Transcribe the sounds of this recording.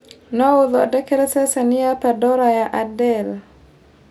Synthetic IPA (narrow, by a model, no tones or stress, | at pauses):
nɔʊðɔa̰dɛkeɾɛsɛsanɪjapadɔɾajaʔadɛl